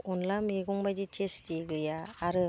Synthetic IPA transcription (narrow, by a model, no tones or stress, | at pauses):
unlameɡɔŋbajditʰestiɡɯjaːɾɯ